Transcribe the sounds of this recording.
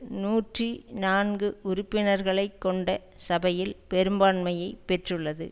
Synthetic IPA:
nuːʈrinaːnɡɯʊɾʊpːɪnɐɾɣɐɭɐɪkːɔɳɖɐ | sɐbɐjɪlpɛɾɯmbaːɳmɐjɐɪpːɛʈrɯɭːɐðɯ̰

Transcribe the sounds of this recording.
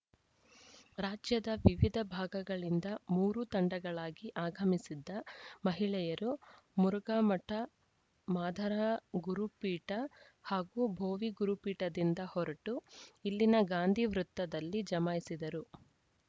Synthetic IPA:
ɾaːd͡ʒjɐd̪ɐʋiʋid̪ʱɐbʱaːɡɐɡɐɭind̪ɐmuːɾut̪ɐɳɖɐɡɐɭaːɡiʔaːɡʱɐmisid̪ːɐmɐɦiɭɛjɐɾu | muɾuɡaːmɐʈɐ | maːd̪ʱɐɾɐɡuɾupiːʈɐ | haːɡubʱoːʋiɡuɾupiːʈɐd̪ind̪ɐhɔɾɐʈuilːinɐɡaːnd̪ʱiʋɾut̪ːɐd̪ɐlːid͡ʒɐmaːjsid̪ɐɾu

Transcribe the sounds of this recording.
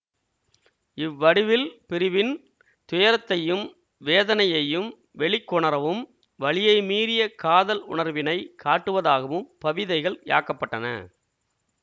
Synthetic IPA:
ɪʋːɐɽɪʋɪlpɪɾɪʋɪn | t̪ʊjɐɾɐt̪ːɐjɯm | ʋeːðɐnɐjɐjɯm | ʋɛɭɪkːɔɳɐɾɐʋɯm | ʋɐɭɪjɐɪmiːɾɪjɐkaːðɐlʊ̰ɳɐɾʋɪnɐɪkʰaːʈːɯʋɐðaːɣɐʋɯmpɐʋɪðɐɪɣɐɭja̰ːkɐpːɐʈːɐnɐ̰

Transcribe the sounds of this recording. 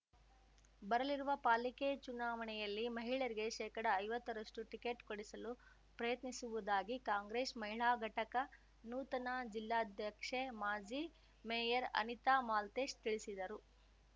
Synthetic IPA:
bɐɾɐliɾuʋɐpaːliket͡ʃunaːʋɐnɛjɐlːimɐɦiɭɐɾiɡe̞ʃɛːkɐɽɐːjʋɐt̪ːɐɾɐʂʈuʈikeʈkoɽisɐlu | pɾɐjɐt̪nisuʋud̪aːɡikaːŋɡɾeːsmɐɦiɭaːɡʱɐʈɐkɐ | nuːt̪ɐnaːd͡ʒilːaːɐd̪ʱjɐkʂemaːd͡ʒi | mejɐɾɐ̰nit̪aːmaːlt̪eːʂt̪iɭisid̪ɐɾu

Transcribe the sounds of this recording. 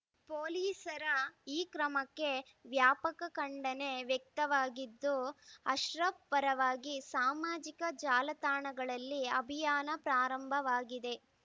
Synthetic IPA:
poːliːsɐɾɐiːkɾɐmɐkːe̞ | ʋjaːpɐkɐkɐɳɖɐne̞ʋjɛk̚t̪ɐʋaːɡid̪ːuɐʃɾɐbpɐɾɐʋaːɡisaːmaːd͡ʒikɐd͡ʒaːlɐt̪aːɳɐɡɐɭɐlːiɐbʱijaːnɐpɾaːɾɐmbʱɐʋaːɡid̪e̞

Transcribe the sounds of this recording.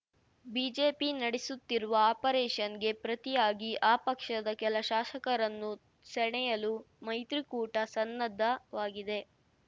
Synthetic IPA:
biːd͡ʒeːpinɐɽisut̪ːiɾuʋɐaːpɐɾɛːʃɐnɡe̞pɾɐt̪ijaːɡiʔaːpɐkʂɐd̪ɐkɛlɐʃaːʃɐkɐɾɐnːu | sɛɳɛjɐlu | mɐjt̪ɾikuːʈɐsɐnːɐd̪ʱːɐʋaːɡid̪e̞

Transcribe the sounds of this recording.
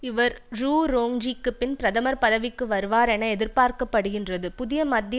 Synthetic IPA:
ɪʋɐɾɾuːɾoːŋd͡ʒikːɯpːɪnpɪɾɐðɐmɐɾpɐðɐʋɪkːɯʋɐɾɯʋaːɾɛnɐɛðɪɾpaːɾkɐpːɐɽɯɣɪndrɐðɯpʊðɪjɐmɐd̪j

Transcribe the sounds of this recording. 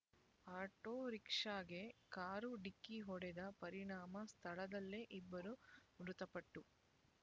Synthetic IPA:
aːʈoːɾikʂaːɡekaːɾuɖikːiɦɔɽɛd̪ɐpɐɾiɳaːmɐst̪ʰɐɭɐd̪ɐlːeʔibːɐɾumɾut̪ɐpɐʈːu

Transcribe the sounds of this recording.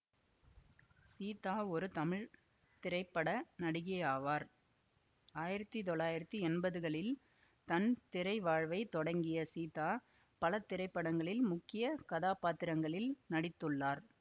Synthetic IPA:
siːt̪aːɔɾɯt̪ɐmɪɻ | t̪ɪɾɐɪpːɐɽɐnɐɽɯɣɐjaːʋaːɾ | aːjɪɾɐt̪ːɯt̪ɔɭːaːjɪɾɐt̪ːɯɛnbɐðɯɣɐɭɪl | t̪ɐnt̪ɪɾɐɪʋaːɻʋɐɪt̪ːɔɽɐŋɡɪjɐsiːt̪aː | pɐlɐt̪ːɪɾɐɪpːɐɽɐŋɡɐɭɪlmʊkːɪjɐkɐðaːpaːt̪ːɪɾɐŋɡɐɭɪlnɐɽɪt̪ːɯɭːaːɾ

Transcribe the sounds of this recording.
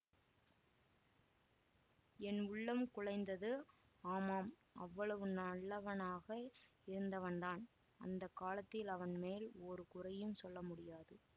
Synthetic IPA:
ɛnʊɭːɐmkʊɻɐɪnd̪ɐðɯ | aːmaːmʔɐʋːɐɭɐʋɯnaɭːɐʋɐnaːɣɐ | ɪɾɯnd̪ɐʋɐnd̪aːn | ɐ̰nd̪ɐkːaːlɐt̪ːɪlɐʋɐnmeːloːɾɯkʊrɐjɯmsɔlːɐmʊɽɪjaːðɯ

